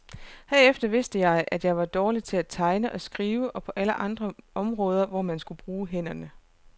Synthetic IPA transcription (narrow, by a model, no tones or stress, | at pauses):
hæɐefd̥ɐʋe̝sd̥əjɑ̈ɪʔæd̥jɑ̈ɪʋɑ̈d̥ɒːli̥t͡sʰe̝læt͡sʰɑ̈ɪnəʔɒ̽sɡ̥ʁiːʊəʔɒ̽pʰɒ̽ʔæləʔɑ̈nd̥ʁɐʔɒ̽mʁɔ̽ːð̞ˠɐʋɒmænsɡ̥ub̥ʁuːɦen̰ɐnə